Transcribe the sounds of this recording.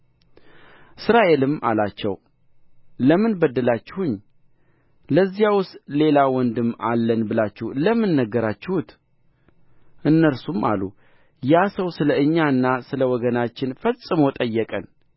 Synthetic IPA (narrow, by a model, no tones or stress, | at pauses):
ʔɨsɾaʔe̞lɨmʔa̰lat͡ʃːɛ̰w | ləmɨnbəd̪ːəlat͡ʃːɪhuɲː | ləzːijawʊst̪ʼle̞lawɔnd̪ɨma̰lːənbɨlat͡ʃːɛhləmːɨnːəɡəɾat͡ʃːɪhut̪ | ʔɨnːəɾsumʔa̰lu | jasəwsɨləɨɲːaɨnːasɨləwɔɡənat͡ʃːɪnfəsʼɨməwt̪ʼəjːɛkʼən